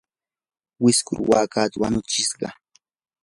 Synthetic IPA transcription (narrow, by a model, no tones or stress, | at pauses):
wɪskʊ̰ɾwaːkat̪awaɲʊt͡ʃɪsɢɑ̰